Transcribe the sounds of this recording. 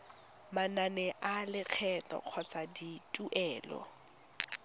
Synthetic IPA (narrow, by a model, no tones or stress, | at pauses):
mananɛʔalɪk͡xʰɛtɔ̰q͡χʰɔt͡sʼaditʼuʔɛːlɔ̰